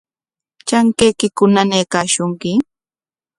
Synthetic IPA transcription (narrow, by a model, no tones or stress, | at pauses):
t͡ʃaŋkejkɪkʊnanejkaːʃʊŋkɪ